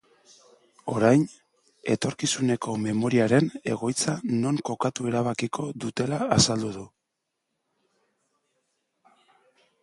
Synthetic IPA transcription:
o̞ɾajn | e̞̰t̪o̞ɾkisune̞ko̞me̞mo̞ɾiaɾe̞ne̞̰ɣ̞o̞jt͡sano̞ŋko̞kat̪ue̞ɾaβ̞akikʰo̞ðut̪e̞laːsald̪uðu

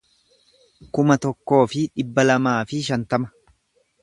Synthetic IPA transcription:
kʊmɐt̪ɔkːo̞ːfɪᶑɪbːɐlɐmaːfɪʃɐnt̪ɐmɐ̥

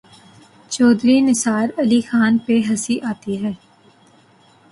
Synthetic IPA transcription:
t͡ʃɔːd̪ɾinɪsaːɾɐlixaːnpeɦɐsiʔaːt̪iɦɛː

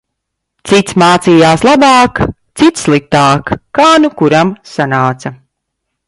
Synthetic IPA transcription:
t̪sit̪smaːt̪siːjaːslˠabaːkt̪sit̪sslˠik̚t̪aːkːaːnukuɾamsanaːt̪sɐ

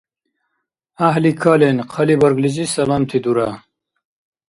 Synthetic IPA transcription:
aɦlikʰaːlenqʰɐlibɐɾɡlizisɐlaːmt̪ʰid̪uɾa

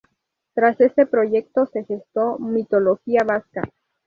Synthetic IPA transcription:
t̪ɾase̞st̪e̞pɾo̞ʝe̞k̚t̪o̞se̞xest̪o̞mit̪o̞lo̞xiaβaska

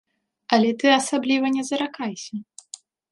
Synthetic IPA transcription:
ɐlʲɛt̪ɨɐsablʲivɐnʲɛzɐɾakajsʲɐ

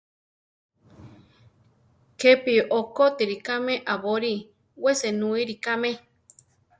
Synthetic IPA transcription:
kepiʔokot̪iɾikamẽʔaβoɾi | wesenũiɾikamẽ

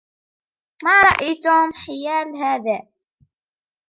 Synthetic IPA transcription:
maːɾˤɑʔijt̪uːmħɪjaːlɦaːðaː

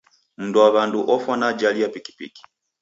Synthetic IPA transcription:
m̩nduaβanduʔɔfanad͡ʒaliapiki̥pḭki̥

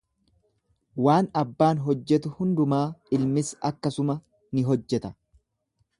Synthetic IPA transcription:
waːnɐbːaːnɦɔd͡ʒːɛt̪ʊhʊnd̪ʊmaːɪlmɪsɐkːɐsʊmɐ | nɪɦɔd͡ʒːɛt̪ɐ̥

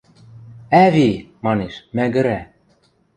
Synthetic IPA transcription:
æβimɑneʃmæɡɘ̆ɾæ

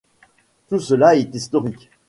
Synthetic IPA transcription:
t̪usəlaɛt̪ist̪ɔʁikʲ

